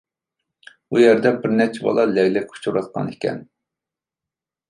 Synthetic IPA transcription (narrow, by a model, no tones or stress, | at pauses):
ujɛɾd̪ɛbɪɾnɛt͡ʃʰɛbɑ̰lˠɑlɛɣlɛkʲʰu̥t͡ʃʰuɾɑt̪̚qʰɑ̰nekʲʰɛ̰n